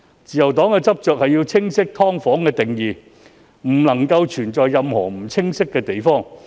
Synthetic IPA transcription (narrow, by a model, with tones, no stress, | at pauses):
t͡siː˨˩jɐ˨˩wt̪ɔː˨˥ŋkɛː˧t͡sɐ˥p̚t͡ʃœː˨k̚hɐ˨jiː˧wt͡sʰɪ˥ŋsɪ˥k̚t̪ʰɔː˥ŋfɔː˨˥ŋkɛː˧t̪ɪ˨˩ŋjiː˨ | m̩˨˩lɐ˨˩ŋkɐ˧wt͡ʃʰyː˨˩nt͡ʃɔː˨jːɐ˨mhɔ̰ː˨˩m̩˨˩t͡sʰɪ˥ŋsɪ˥kːɛː˧t̪e˨jfɔː˥˩ŋ